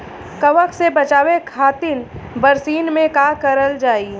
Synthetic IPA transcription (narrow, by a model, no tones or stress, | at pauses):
kɐʋəkʰsebɐt͡ʃaːwekʰaːt̪ɪnbəɾsiːnmẽkakəɾəld͡ʒaːi